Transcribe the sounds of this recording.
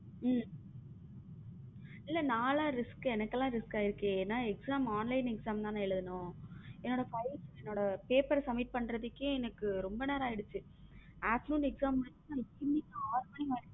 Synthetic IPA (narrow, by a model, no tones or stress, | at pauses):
m | ɪlːɐnaːlaːɾɪskɯɛnɐkːɐlãːɾɪskaːɪɾɯkːẽeːnːãːɛksaːmaːnlɐɪnɛksaːmt̪ãːnãːɛɭɯðɐnʊ̃ɛnːoːɽɐfɐɪsɛnːoːɽɐpeːpɐɾsɐmːiʈ̚pɐɳːɾɐðɯkːjʊ̃ɛnɐkːɯɾɔmbɐneːɾaːɪɽɯt͡ʃːɯ | aːsnuːnɛksaːmɐnãɪkːimɪkːɐaːɾmɐːnɪmaːɽ